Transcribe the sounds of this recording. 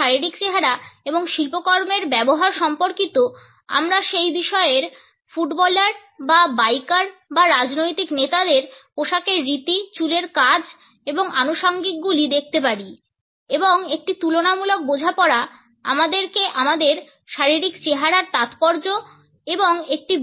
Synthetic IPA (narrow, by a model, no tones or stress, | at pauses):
aɾiɾikt͡ɕeɦaɾaeboŋʃilpokɔɾmeɾbɛboɦaɾʃɔmpoɾkit̪o | a̰mɾaʃejbiʃɔeɾ | fuʈbɔlaɾ | babajkaɾbaɾad͡ʑnojt̪iknet̪ad̪eɾpoʃakeɾːit̪it͡ɕuleɾkad͡ʑ | eboŋanoʃaŋɡik̚ɡulid̪ek̚ʰt̪epaɾi | eboŋek̚ʈit̪ulonamulok̚bod͡ʑʱapɔɾa | a̰mad̪eɾkeʔamad̪eɾ | ʃaɾiɾikt͡ɕeɦaɾaɾt̪at̪pɔɾd͡ʑo | eboŋek̚ʈi